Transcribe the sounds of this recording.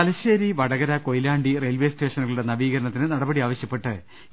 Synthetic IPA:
ɐlɐɕeːɾiʋɐɽɐɣɐɾɐko̞jlaːɳɖire̞ːlʋe̞sʈe̞ːʂɐnuɣɐɭuɽe̞nɐʋiːɣɐɾɐɳɐt̪ːinɨnɐɽɐbɐɽiaːʋɐɕjɐpːe̞ʈːɨ

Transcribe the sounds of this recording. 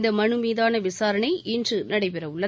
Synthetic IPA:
d̪ɐmɐɳɯmiːðaːnɐʋɪsaːɾɐnɐɪʔɪndrɯnɐɽɐɪpɛɾɐʊɭːɐ

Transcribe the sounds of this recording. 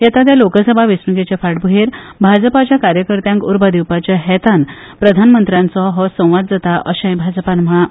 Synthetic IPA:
jat̪at̪̬jalokəsəbʱaʋisnuɡet͡ɕefaʈ̚bʱuɦeɾbʱad͡zəpat͡ɕjakaɾjəkəɾt̪jãŋkuɾbʱad̪iwpat͡ɕjaɦɛt̪an | pɾəd̪ʱanmənt̪ɾjãnt͡sɔɦɔsə̃w̃ʋad̪̚d͡zat̪aʔəɕə̃j̃bʱad͡zəpanma

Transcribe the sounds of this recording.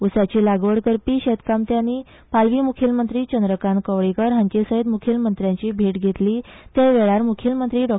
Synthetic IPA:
usat͡ɕiːlaɡʋəɽkəɾpiːɕet̪kamt̪janiː | palʋiːmukʰilmənt̪ɾiːt͡ɕənd̪ɾəkankəʋɭikəɾɦəɲt͡ɕesəɦid̪mukʰilmənt̪ɾjãɲt͡ɕiːbʱeʈɡʱet̪liːt̪eʋeɭaɾmukʰilmənt̪ɾiːɖɔ

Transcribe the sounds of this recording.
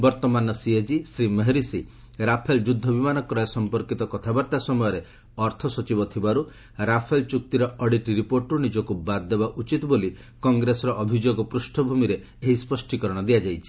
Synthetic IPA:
bɔɾt̪ɔmanɔsied͡ʒisɾimeɦeɾisi | ɾapʰeld͡ʒud̪ʱːɔbimanɔkɾɔjɔsɔmpɔɾkit̪ɔkɔt̪ʰabaɾt̪asɔmɔjɔɾe | ɔɾt̪ʰɔsɔt͡ʃibɔt̪ʰibaɾu | ɾapʰelt͡ʃuk̚t̪iɾɔɔɽiʈiɾipoɾʈɾunid͡ʒɔkubad̪̚ːebaʔut͡ʃit̪ɔboli | kɔŋɡɾesɔɾɔʔːbʱid͡ʒoɡɔpɾusʈʰɔbʱumiɾe | eɦispɔsʈikɔɾɔɽ̃ɔd̪ijad͡ʒajt͡ʃʰi̥

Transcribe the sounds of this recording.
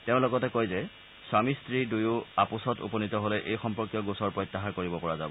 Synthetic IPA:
teʊ̃lɔɡɔtɛkojzɛ | swamistɹidujʊapʊsɔtṵpɔnitɔɦolɛʔejxɔmpɔɹkjɔɡusɔɹpɹɔjtːaɦaɹkoɹibɔpɔɹazabɔ

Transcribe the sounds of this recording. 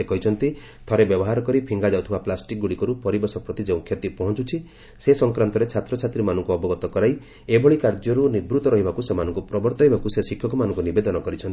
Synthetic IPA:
ekɔɦit͡ʃʰɔnt̪i | t̪ʰɔɾebjɔbɔɦaɾɔkɔɾipʰiŋɡad͡ʒawt̪ʰibaplasʈik̚ɡuɽikɔɾupɔɾibɔsɔpɾɔt̪id͡ʒeũkʰjɔt̪ipɔɦɔ̃t͡ʃut͡ʃʰi | sesɔŋkɾant̪ɔɾet͡ʃʰat̪ɾɔt͡ʃʰat̪ɾimanɔŋkuɔbɔɡɔt̪ɔkɔɾaj | ebʱɔɭikaɾd͡ʒɔɾunibɾut̪ɔɾɔɦibakusemanɔ̃ŋkupɾɔbɔɾt̪ɔɦibakusesikʰːjɔkumanɔ̃ŋkunibed̪ɔnɔkɔɾit͡ʃʰɔnt̪i

